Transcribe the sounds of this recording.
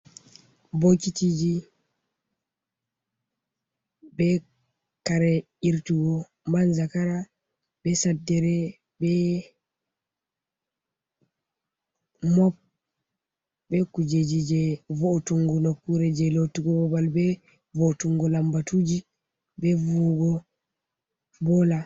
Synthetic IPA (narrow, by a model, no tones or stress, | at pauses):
bokitid͡ʒi | bɛ | kaɾɛ | iɾtuɡɔ | manzakaɾa | bɛsadːɛɾɛ | bɛ | mɔp̚ | bɛkud͡ʒed͡ʒid͡ʒɛvotuŋɡunokːuɾɛd͡ʒɛlotiɡɔbɔbalbɛ | votuŋɡɔlambatud͡ʒi | bɛvuɡɔ | bɔla